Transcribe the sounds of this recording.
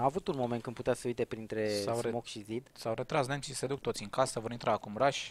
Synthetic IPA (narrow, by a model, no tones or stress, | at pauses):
aavut̪unmo̞mekɨnput̪easəujt̪e̞pɾint̪ɾe̞sawemokʃizid̪sawɾet̪ɾasnemʃise̞d̪uk̚t̪ot̪sʲiŋkasəvo̞ɾint̪ɾʔaːkumɾaʃʲ